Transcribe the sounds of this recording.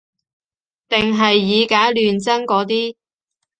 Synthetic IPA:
t̪ɪ˨ŋɦɐ˨jːiː˨˧kaː˨˥jlyː˨nt͡sɐ˥ŋkɔː˨˥t̪̬iː˥

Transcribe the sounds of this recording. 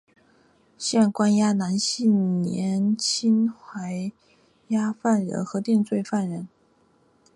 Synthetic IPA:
ɕjɛ˥˩nkwa˥nja˥na˧˥nɕi˥˩nnjɛ˧˥nt͡ɕʰi˥nxwa˧˥ɪ | ja˥fa˥˩nɻə̰˧˥nxɤ˧˥t̪i˥˧ŋt͡swe˥˧ɪfa˥˩nɻə˧˥n

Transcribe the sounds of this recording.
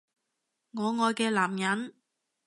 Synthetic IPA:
ŋɔː˨˧ŋɔː˨˧jkɛː˧laː˨˩mjɐ˨˥n

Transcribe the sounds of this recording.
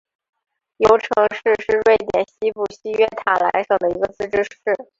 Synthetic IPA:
jo˧˥ʊʈ͡ʂʰɤ˧˥ŋʂɻ̩˥˧ʂɻ̩˥˧ɻwe˥˩ɪt̪jɛ̰˨˩nɕi˥pu˥˩ɕi˥ɥɛ˥t̪ʰa˨˩la̰˧˥ɪʂɤ˨˩ŋd̪ə˦i˧˥ɡə˧t͡sɹ̩˥˩ʈ͡ʂɻ̩˥ʂɻ̩˥˩

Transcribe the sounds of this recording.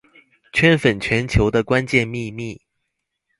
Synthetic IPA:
t͡ɕʰɥɛ˥nfə˨˩nt͡ɕʰɥɛ˨˦nt͡ɕʰjo˧˥ʊd̪ə˧kwa˦nt͡ɕjɛ˥˧nmi˥˧mi˥˨

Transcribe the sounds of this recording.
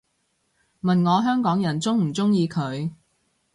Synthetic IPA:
mɐ˨nŋɔː˨˧ɦœː˥ŋkɔː˨˥ŋjɐ˨˩nt͡sʊ˥ŋm̩˨˩t͡sʊ˥ŋjiː˨˧kʰɵ˨˧ɥ

